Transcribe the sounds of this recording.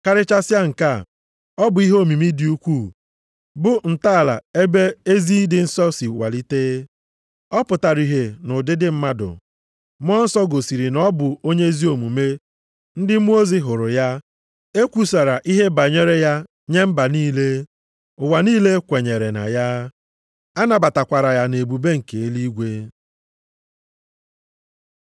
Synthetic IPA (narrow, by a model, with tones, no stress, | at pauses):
ka˦ɾɪ˦t͡ʃa˦sja˦ŋ̩˨ka˦˨ | ɔ˦bʊ˨˦i˦ɦo˦˨mi˨mi˦di˨u˦kʷu˦˨ | bʊ˦n̩˨ta˦˨la̰˨e˦be˦e˦zi˦dɪ˨n̩˦sɔ˦si˨wa̰˨li˦teː˦ | ɔ˦pʊ˨ta˨ɾi˨ɦe˨nʊ˨dɪ˦dɪ˦m̩˦ma˦dʊ̰˨ | m˦ɔ˦n̩˦sɔ˦ɡo˨si˨ɾi˨nɔ˦bʊ˨o˦ɲe˦zi˦o˨mu˨me˦ | n̩˦dɪ˦mʷ˦o˦zi˦ɦʊ˨ɾʊ˨ja˦ | e˦kʷu˦sa˨ɾa˨ʔi˦ɦe˦ba˨ɲe˦ɾe˦ja˦ | ɲe˦m̩˦ba˨niː˦le˦ | ʊ˨wa˨niː˦le˦kʷe˨ɲe˨ɾe˨na̰˨ja˦ | a˦na˨ba˨ta˨kʷa˨ɾa˨ja˨ne˨bu˨be˦ŋ̩˨ke˨e˦li˦ɡʷe˦